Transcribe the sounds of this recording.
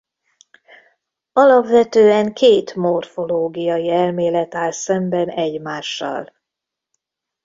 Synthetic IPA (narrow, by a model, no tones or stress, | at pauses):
ɒlɒpvɛt̪øːɛŋkeːt̪mo̞rfo̞loːɡijɒjiɛlmeːlɛt̪aːlsɛmbɛnɛɟmaːʃːɒ̰l